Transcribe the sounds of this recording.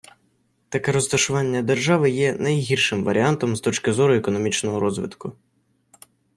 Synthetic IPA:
t̪ɐkɛɾɔst̪ɐʃʊʋɑnʲːɐd̪erʒɑʋɪjɛnɐjɦʲirʃɪmʋɐɾʲɪant̪ɔmzt̪ɔt͡ʃkɪzɔɾʊekɔnɔmʲit͡ʃnɔɦɔɾɔzʲʋʲɪ̰t̪kʊ

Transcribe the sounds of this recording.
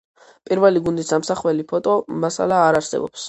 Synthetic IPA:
pʼiɾvɛliɡund̪isamsaχvɛlipʰɔt̪ʼɔmasa̰laːɾaɾsɛ̰bɔ̰ps

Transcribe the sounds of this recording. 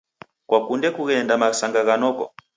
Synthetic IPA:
kwʔakundɛkuɣɛndamasaŋɡaɣanɔkɔ̰

